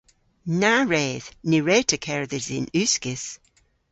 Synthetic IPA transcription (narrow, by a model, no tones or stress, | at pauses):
naɹɛːð̥niɹɛːtʰəkʰɛɹðɪzɪnʉskɪs